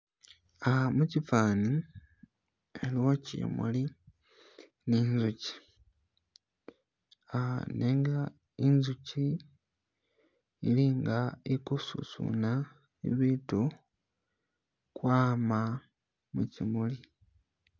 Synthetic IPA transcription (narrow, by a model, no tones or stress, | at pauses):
amucifaːni | eliwocḭmṵli | niːnzuci̥ | aneŋɡa | inzuci | liŋɡaikusṵsṵna | ḭβitu | kwaːma | mucimuli